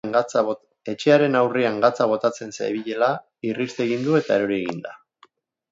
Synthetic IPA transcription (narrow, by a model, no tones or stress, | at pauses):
ŋat͡sa | e̞t͡ʃe̞aɾe̞nawriaŋɡat͡saβ̞o̞t̪at͡se̞nsajβiʎe̞la | irist̪e̞ɣind̪ue̞t̪aeɾo̞ɾieɣind̪a